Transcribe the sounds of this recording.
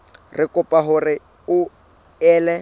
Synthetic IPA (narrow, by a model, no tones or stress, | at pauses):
rʔɪkʼʊpʼaɦʊrɪ | ʊ | ɛːlɛ